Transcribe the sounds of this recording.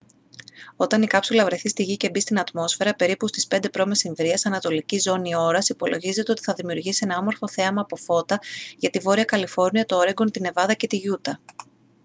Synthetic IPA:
o̞t̪ɐnikɐpsulɐvɾe̞θist̪iʝice̞bist̪inɐt̪mo̞sfe̞ɾɐpe̞ɾipust̪i̥spe̞nd̪e̞pɾo̞me̞siɱvɾiɐsɐnɐt̪o̞licizo̞nio̞ɾɐsipo̞lo̞ʝize̞t̪eo̞t̪i̥θɐðimiuɾʝisie̞nɐɐmo̞ɾfo̞θe̞ɐmɐːpo̞fo̞t̪ɐʝɐt̪ivo̞ɾiɐkɐlifo̞ɾniɐt̪ooɾe̞ŋɡont̪ine̞vɐðɐce̞t̪iʝut̪ɐ

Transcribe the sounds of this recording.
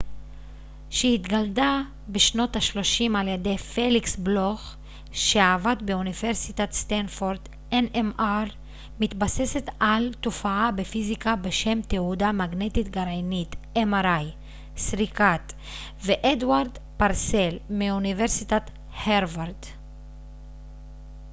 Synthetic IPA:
ʃehit̪ɡald̪a | beʃno̞t̪aʃlo̞ʃimaljed̪ejfeliksbloχ | ʃeaːvat̪be̞univeʁsit̪at̪st̪anfoʁd̪ | enemaʁ | mit̪basese̞t̪alt̪ofaabe̞fizikabeʃe̞mt̪eudamaɡne̞t̪it̪ɡaʁenit̪ʔemaʁaj | sʁikat̪ | veʔed̪waʁd̪ | paʁselmiuniveʁsit̪at̪ | heʁvaʁd̪

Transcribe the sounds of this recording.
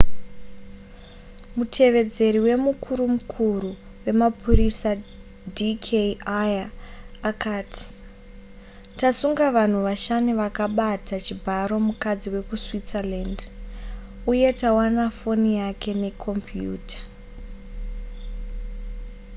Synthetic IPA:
mutʰe̞ʋe̞d͡ze̞ɾiwe̞mukʰuɾumukʰuɾu | we̞mapurisa | dikʰeajaː | kaːtʰi̥ | tasuŋɡaʋan̤uʋaʃaniʋakaɓatat͡ʃibʱaɾo̞mukad͡ziwe̞kuswit͡saland | uje̞tawanafo̞nijakʰe̞ne̞kʰo̞mpjṵːtḁ

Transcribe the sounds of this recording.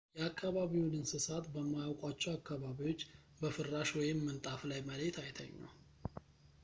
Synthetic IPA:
jɛakːaβaβiwunɨnsɨsat̪bəmːajawkʼwat͡ʃːɛwakːaβaβiwo̞t͡ʃː | bəfɨrːaʃwɔjɪmːɨnt̪ʼaflajməlet̪ʰajt̪ʰə̰ɲːa̰w

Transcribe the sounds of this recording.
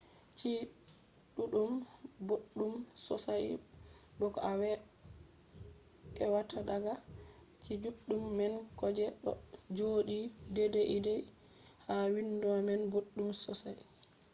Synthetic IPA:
t͡ʃi | ɗuɗumboɗːumsɔ̰sajɗɔkɔawɛ | ɛwatʰadaɡa | t͡ʃid͡ʒuɗːumːɛnkɔd͡ʒɛɗɔ̰d͡ʒoɗidɛdɛʔidɛj | hawinduamɛnboɗːumsɔsaj

